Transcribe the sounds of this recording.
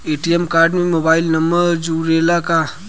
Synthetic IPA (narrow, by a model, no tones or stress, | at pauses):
eːʈijɛmkaːɾɖmẽmoːbaːɪlnɐmbəɾd͡ʒuɾeːlaka